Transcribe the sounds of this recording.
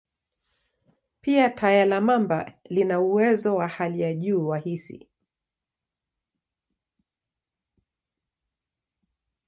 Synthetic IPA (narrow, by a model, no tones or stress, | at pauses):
piatʰajalamamba̰linauwɛzɔwahalijaʄuːwahisḭ